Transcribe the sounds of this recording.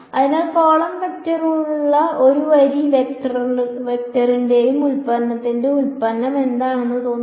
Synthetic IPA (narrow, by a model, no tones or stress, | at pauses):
ɐðinaːlfoːɭɐmpetːɐruɭːɐo̞ɾuʋɐɾiʋektɐrlʋek̚tɐrinde̞jumulpɐnːɐt̪ːindeulpɐnːɐme̞nd̪aːɳenːɨt̪o̞ːnː